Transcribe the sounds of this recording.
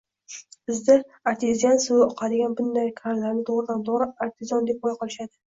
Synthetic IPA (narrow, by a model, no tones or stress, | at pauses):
bɪzd̪aaɾt̪ʰɪzjansʊɒqʰɑd̪ɪɡʲanbʊnd̪ajkʰalaɾnɪt̪ʰoʁɾɪd̪anb̪ɒʁɾɪaɾt̪ʰɪzɒnd̪e̞p̚ɒjqʰɒlɪʃad̪ɪ